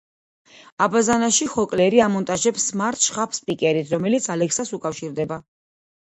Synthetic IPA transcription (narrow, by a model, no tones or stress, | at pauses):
abazanaʃiχɔkʼlɛɾiamɔnt̪ʼaʒɛpsmaɾt̪ʰʃχapʰspʼikʼɛɾit̪ʰɾɔmɛlit̪sʰalɛkʰsasukʼafʃiɾd̪ɛba